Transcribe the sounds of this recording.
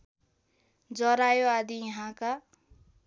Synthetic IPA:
d͡zʌɾajoad̪ijʌɦãka

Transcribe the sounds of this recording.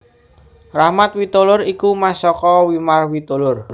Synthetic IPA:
rahmat̪̚wit̪olʊrikumasɔkɔwimarwit̪olʊr

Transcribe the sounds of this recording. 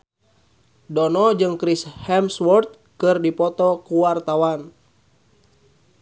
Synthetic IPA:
dɔnɔd͡ʒɨŋkɾishɛmswɔrt̪̚ | kɨrdipɔt̪ɔkuwart̪awan

